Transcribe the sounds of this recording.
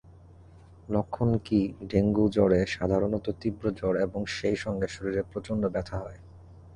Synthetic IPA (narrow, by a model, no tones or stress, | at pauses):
lokʰːonkiɖeŋɡud͡ʑɔɽeʃad̪ʱaɾonɔt̪ot̪ibɾod͡ʑɔɽeboŋʃejʃɔŋɡeʃoɾiɾepɾot͡ɕonɖobɛt̪ʰaɦɔe